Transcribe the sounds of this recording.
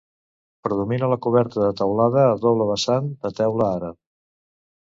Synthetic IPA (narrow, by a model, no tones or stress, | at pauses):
pɾəðuminələkuβɛɾt̪əðət̪əwlaðəːðoβləβəsand̪ət̪ɛwləaɾə